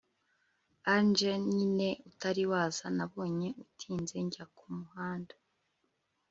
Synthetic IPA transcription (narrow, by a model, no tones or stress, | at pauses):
and͡ʒeɲine̞utaɾiwaːzanaβo̞ːɲe̞ʔutʰiːnze̞ɲɟakʰumuhaːndḁ